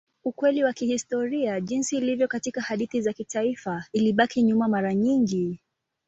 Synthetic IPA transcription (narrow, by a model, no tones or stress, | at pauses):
ukwɛliwakihistɔɾiaʄinsiːlivjɔkatikahaɗiθizakitaifailiɓakiɲumamaɾaɲiŋɡi